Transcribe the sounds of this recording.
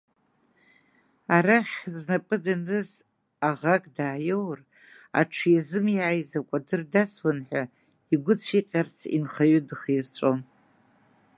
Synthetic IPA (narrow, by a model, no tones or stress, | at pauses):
aɾaχʲznapʼɨdanɨz | aʁakʼdaːjowr | a̰ʈ͡ʂʰjazɨmjaːjzakʷʼadɨrdaswanħʷᶣa | iɡʷʊt͡sʷʰiqʲʼart͡sʰḭnχaɥʏdɨχirt͡ʃʷʼon